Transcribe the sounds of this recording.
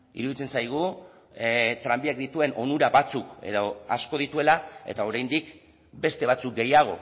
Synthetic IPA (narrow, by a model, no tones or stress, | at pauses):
ḭɾuðit͡se̞nsajɣ̞u | t̪ɾambiakd̪it̪ue̞nʔo̞nuɾaβat͡sukḛðoa̰sko̞ð̞it̪ue̞lae̞̰t̪ao̞ɾajnd̪ik | be̞st̪e̞β̞at͡suk̚ɡe̞jaɣ̞o̞̰